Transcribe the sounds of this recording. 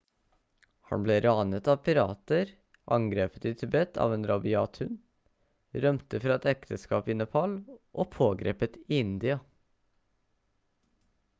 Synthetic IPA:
hɑ̰nbleːɾɑːnət̪ɑːʋpʰɪɾɑ̰ːt̪əɾ | ʔɑŋɡɾeːpət̪iːt̪ʰʉbɛt̪ʰɑ̰ːʋeːnɾɑbɪɑːt̪ʰʉn | ɾœmt̪əfɾɑːɛt̪ɛkt̪ʰəskɑːpɪnəpʰɑlʔoːpʰoːɡɾḛːpət̪iːɪnd̪ɪɑ

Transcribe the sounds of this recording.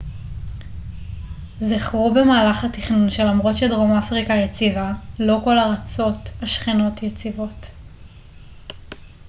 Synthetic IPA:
ziχʁube̞maːlaχhatiχnunʃe̞lamʁo̞tʃe̞dʁomafʁikajet͡sivalo̞ko̞laʁat͡so̞taʃχino̞tjet͡sivo̞t

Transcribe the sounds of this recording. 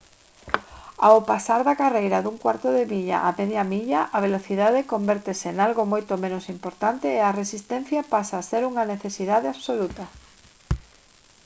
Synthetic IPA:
awpasaɾðɐkarejɾɐðuŋkwaɾt̪oðemiʎa̰ʔameðjamiʎaʔaβ̞eloθiðaðekombɛɾt̪esenalɣomojt̪omẽnosimpoɾt̪ant̪eːaresist̪ɛn̟θjapasaːseɾuŋɐneθesiðaðeaβ̥solut̪ɐ

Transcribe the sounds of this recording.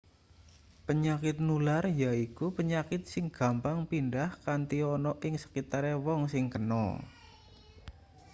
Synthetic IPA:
pəɲakɪt̪̚nularjaikupəɲakɪt̪̚sɪŋɡ̥a̤mpaŋpindahkant̪iɔnɔʔɪŋsə̥kit̪aɾewɔŋsɪŋkənɔ̰

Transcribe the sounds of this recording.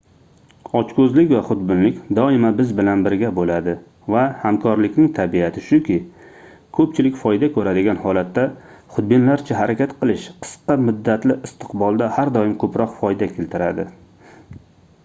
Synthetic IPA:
ɒt͡ʃkʰɵzlɪkʲvaχʊd̪bɪnlɪkʲd̪ɒɪmabɪzbɪlanbɪɾɡʲabolad̪ɪ | vahamkʰɒɾlɪkʲnɪŋt̪ʰabiat̪ʰɪʃʊkʲɪ | kʰɵp̚t͡ʃʰɪlɪkʲfɒjd̪akʰɵɾad̪ɪɡʲanhɒlat̪ːaχʊd̪̚bɪnlaɾt͡ʃʰaɦaɾakʲat̪qʰɨlˠɪʃqʰɨ̥sqɑmʊd̪ːat̪lɪʔɪst̪ʰɨ̥qbɒlˠd̪ahaɾd̪ɒɪmkʰɵpɾɒqfɒjd̪akʲʰelt̪ʰɪɾad̪ɪ

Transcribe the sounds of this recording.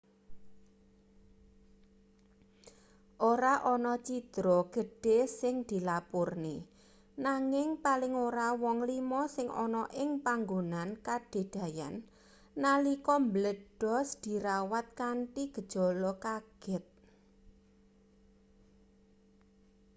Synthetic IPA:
ʔoɾaʔɔnɔt͡ʃid̪̥ɾɔɡ̥ə̤ɖ̥e̤sɪŋd̪̥i̤lapʊrne | naŋɪŋpalɪŋoɾawɔŋlimɔsɪŋʔɔ̰nɔʔɪŋpaŋɡonankaɖ̥e̤d̪̥ä̤ja̰nː | alikɔmbələd̥ɔ̤sd̪̥i̤ɾawat̪̚kaɳʈiɡ̥ə̤d̥ʒ̥ɔ̤lɔkaɡ̥ɪt̪̚

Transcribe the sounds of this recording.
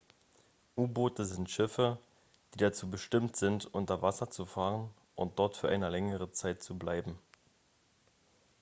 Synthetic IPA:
ʔuːboːtəzɪntʃɪfə | d̥iːdat͡suːbəʃtɪmtz̥ɪntʔʊntɐvasɐt͡sufaːʁən | ʔʊnt̚d̥ɔɐtfyːɐʔaɪnəlɛŋəʁ̞ət͡saɪt̚t͡sublaɪbm̩

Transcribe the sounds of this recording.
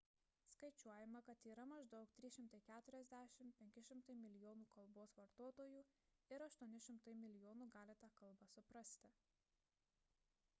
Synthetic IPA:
skɐɪt͡ʃʲuɔjɛmɐkɐt̪iːɾɐmɐʒd̪ɒʊkt̪ʲɾʲɪʃʲɪmt̪ɐɪkʲæːt̪ʊɾʲɛzʲd̪ʲæːʃʲɪmpʲɛŋʲkʲɪʃʲɪmt̪ɐɪmʲɪlʲɪjoːnuːkɐlˠboːsʋɐɾt̪oːt̪oːjuː | ɪɾɐʃt̪uɔnʲɪʃʲɪmt̪ɐɪmʲɪlʲɪjoːnuːɡɑːlʲɪt̪ɑːkɐlˠbɑsʊpɾɐsʲt̪ʲɪ

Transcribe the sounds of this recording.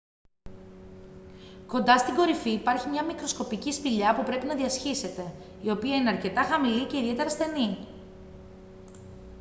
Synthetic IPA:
ko̞nd̪ɐst̪iŋɡo̞ɾifiːpɐɾçimɲɐmikɾo̞sko̞picispiʎɐpupɾe̞pinɐðiɐsçise̞t̪e̞ | io̞piɐineɐɾce̞t̪ɐxɐmilice̞iðie̞t̪e̞ɾɐsθe̞ni

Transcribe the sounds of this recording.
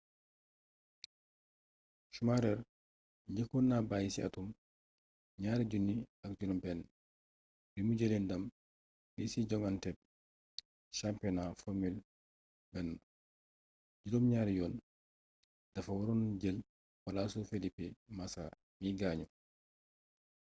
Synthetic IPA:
ʃumaɾɛɾ | ɟekunːabajisia̰tum | bɲaːɾiɟunːiak̚ɟunumbɛnː | bimuɟelindam | bisiɟɔŋantɛb̚ | ʃampɛnafomil | bɛnː | ɟidomɲaːɾjɔːn | d̥ɐfawaɾonɟel | walasofelipemasa̰ | niɡaːɲu

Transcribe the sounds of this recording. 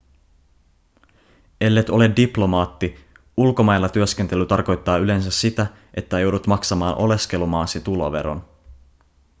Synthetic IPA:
e̞lːet̪o̞le̞ddiplo̞mɑːt̪ːi | ulko̞mɑjlːɑt̪yøsk̟e̞nt̪e̞lːyt̪ɑrko̞jt̪ːɑːyle̞ns̬æsːit̪æ | ʔet̪ːæjo̞wdut̪mɑksɑmɑːnʔo̞le̞ske̞lumɑːsit̪ulo̰ʋe̞̰ɾo̰n

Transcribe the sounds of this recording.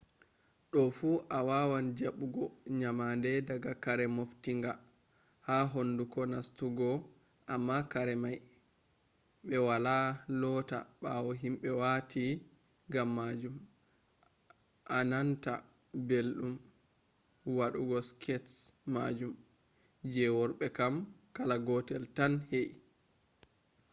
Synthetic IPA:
ɗɔfuʔawawand͡ʒaɓuɡɔɲamandɛdaɡakaɾɛmoftiŋɡa | haɦondukɔnastuɡɔ | ʔamːakaɾɛmaj | ɓɛwalalɔta̰ɓawɔɦimɓɛwatʰi | ɡamːad͡ʒum | ʔananta̰ | belɗum | waɗuɡɔskʰɛtsmad͡ʒum | d͡ʒɛwɔɾɓɛkamkalaɡɔtɛltanhej

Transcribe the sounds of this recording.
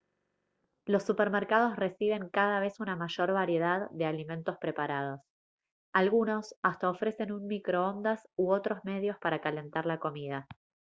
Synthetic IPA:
lo̞sːupeɾmeɾkað̞o̞sre̞siβ̞e̞ŋkaðaβe̞sunamaʒo̞ɾβaɾje̞ð̞aðːe̞alimẽ̞nt̪o̞spɾe̞paɾað̞o̞s | alɣuno̞sast̪ao̞fɾe̞se̞nunmikɾo̞o̞nd̪asuo̞t̪ɾo̞zme̞ðjo̞spaɾakale̞nt̪aɾlako̞mið̞a

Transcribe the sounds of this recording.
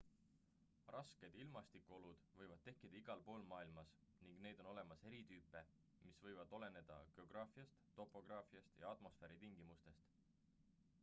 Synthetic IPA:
rɑske̞d̪ilmɑst̪ikˑuo̞lud̪̥vɤjvɑd̪̚t̪e̞hkːid̪̥ɑiɡ̥ɑlpo̞ːlmɑːilmɑs | niŋɡ̥ne̞ːd̪̥o̞no̞le̞mɑse̞ɾit̪yːpːˑe̞ | misvɤ̞jvɑd̪̥o̞le̞ne̞d̪̥ɑ̰ɡ̥e̞o̞ɡ̥rɑːfiɑst̪t̪ːo̞pːˑo̞ɡ̥rɑːfiɑst̪jɑɑt̪mo̞sfeːɾit̪iŋɡimust̪e̞st̪

